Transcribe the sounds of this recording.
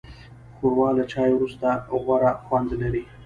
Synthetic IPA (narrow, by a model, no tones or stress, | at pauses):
xoɾwɑlat͡ʃɑjwɾust̪aɣwaɾaxwand̪laɾi